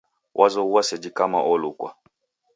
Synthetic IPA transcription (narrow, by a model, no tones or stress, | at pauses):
wʔazɔuasɛd͡ʒikama̰ʔɔlukwa̰